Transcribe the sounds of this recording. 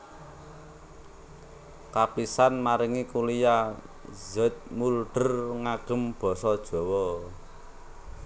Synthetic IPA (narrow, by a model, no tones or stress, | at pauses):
kapisanmaɾiŋikulija | zət̪̚mulɖ̥ə̤rŋaɡ̥ə̤mb̥ɔ̤sɔd̥ʒ̥ɔ̤wɔ